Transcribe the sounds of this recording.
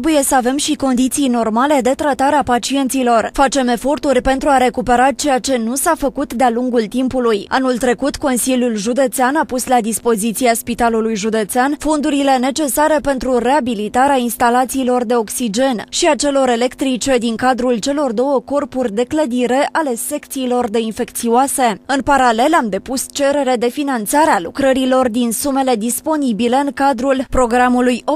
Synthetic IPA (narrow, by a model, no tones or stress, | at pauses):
buje̞səave̞mʃiko̞nd̪it̪sijno̞rmale̞d̪e̞t̪ɾat̪aɾeapat͡ʃie̞nt̪silo̞rfat͡ʃe̞me̞fo̞rt̪urʲpe̞nt̪ɾuaɾe̞kupe̞ɾat͡ʃe̞jat͡ʃe̞nusafəkut̪d̪ealuŋɡult̪impuluja̰nult̪ɾe̞kut̪ko̞nsilʲjulʒud̪e̞t̪seanapuslad̪ispo̞zit̪siaspit̪alulujʒud̪e̞t̪seanfo̞nd̪uɾile̞ne̞t͡ʃe̞saɾe̞pe̞nt̪ɾure̞abilit̪aɾeainst̪alat̪siːlo̞rd̪e̞o̞ksid͡ʒe̞nʃiat͡ʃe̞lo̞ɾe̞le̞kt̪ɾit͡ʃe̞d̪iŋkad̪ɾult͡ʃe̞lo̞rd̪o̞wəko̞rpurʲd̪e̞kləd̪iɾe̞ʔʔale̞se̞kt̪siːlo̞rd̪e̞infe̞kt̪sioase̞ɨnpaɾale̞lamd̪e̞pust͡ʃe̞ɾe̞ɾe̞d̪e̞finant̪saɾealṵkɾəɾilo̞rd̪insume̞le̞d̪ispo̞nibile̞ɨŋkad̪ɾulpɾo̞ɡɾamulujo